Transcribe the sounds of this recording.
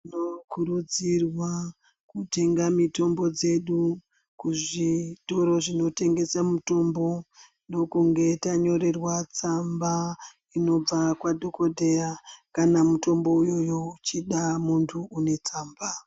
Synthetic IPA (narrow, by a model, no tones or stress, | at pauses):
inokuɾud͡zirwa | kute̞ŋɡamito̞mbo̞d͡ze̞ɗu | kuʐito̞ɾo̞ʐinote̞ŋɡe̞samuto̞mbo̞ | ndo̞kuŋɡe̞taɲo̞ɾe̞rwat͡samba | ino̞b͡vakwadʱokodʱe̞akanamuto̞mbo̞ujo̞jo̞ut͡ʃiɗamuntʰuune̞t͡saːmba